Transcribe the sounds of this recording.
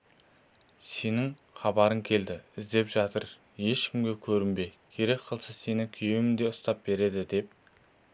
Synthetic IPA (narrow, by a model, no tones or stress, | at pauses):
se̞nɪŋ | χɑbɑɾəŋkʲʰe̞ld̪ɪɪzd̪e̞pʒɑt̪əɾ | je̞ʃkʲʰɪmɡʲe̞kʲʰɵɾɪmbe̞kʲʰe̞ɾe̞k̚qʰəlˠsəse̞nɪkʲʰijeɪŋd̪e̞ʊst̪ɑp̚be̞ɾe̞d̪ɪd̪e̞p̚